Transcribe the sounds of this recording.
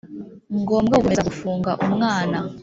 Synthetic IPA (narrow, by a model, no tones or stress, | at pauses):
ŋɡo̞ːmbɡaukomezaɡufuːŋɡaʔumŋaːna